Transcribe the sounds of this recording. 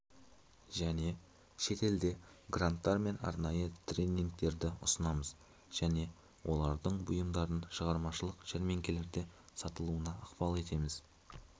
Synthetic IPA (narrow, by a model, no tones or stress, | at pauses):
ʒæne̞ | ʃe̞t̪e̞ld̪e̞ɡrant̪ːɑɾme̞nɑ̰ɾnɑjət̪ʰrʲenʲːiŋk̚t̪e̞ɾd̪ɪʊ̰sənɑməz | ʒ̥æne̞ | wʔo̞̰lˠɑɾd̪əɴbʊjəmd̪ɑɾənʃəʁɑɾmɑʃəlˠəqʒ̥eɾme̞ŋkʲe̞le̞ɾd̪e̞sɑt̪əlˠuənɑːqpɑlˠe̞t̪e̞mɪz̥